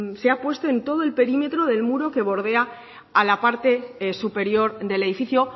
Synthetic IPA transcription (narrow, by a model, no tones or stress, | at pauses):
se̞apwe̞st̪oe̞nt̪o̞ð̞oe̞lpe̞ɾime̞t̪ɾo̞ðe̞lmuɾo̞ke̞β̞o̞ɾðe̞a | alapaɾt̪e̞supe̞ɾjo̞ɾðe̞le̞ðifiθjo̞